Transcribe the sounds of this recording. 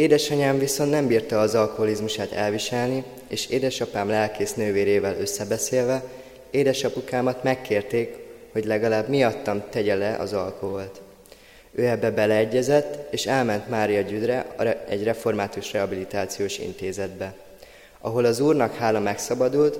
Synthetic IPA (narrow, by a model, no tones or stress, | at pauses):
eːd̪ɛʃɒɲaːɱviso̞nnɛmbiːrt̪ɒːzɒlko̞ɦo̞lizmuʃaːt̪ɛ̰lviʃɛlni | eːʃeːd̪ɛʃɒpaːmlɛlkeːsnøːveːɾeːvɛlø̞sːɛbɛseːlvɛ | eːd̪ɛʃɒpukaːmɒt̪mɛkːeːrt̪eːkho̞ɟlɛɡɒlaːbmijɒt̪ːɒmt̪ɛɟɛlɛʔɒ̰zɒlko̞ɦo̞lt̪ | øːɛbːɛbɛlɛːɟːɛzɛt̪ːeːʃɛlmɛnt̪maːɾijɒɟyd̪rɛɛɟrɛfo̞rmaːt̪uʃrɛɦɒbilit̪aːt̪sijoːʃḭnt̪eːzɛd̪bɛ | ɒɦo̞lɒzuːrnɒkhaːlɒmɛksɒbɒd̪ult̪